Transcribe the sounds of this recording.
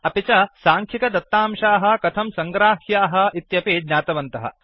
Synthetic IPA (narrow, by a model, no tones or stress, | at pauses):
ɐpit͡ʃɐsaːŋkʰikɐd̪ɐt̪ːaːmʃaːɦɐ̆kɐt̪ʰɐmsɐŋɡɾaːhjaːɦɐ̆it̪jɐpeːd̪ɲaːt̪ɐʋɐnt̪ɐɦɐ̰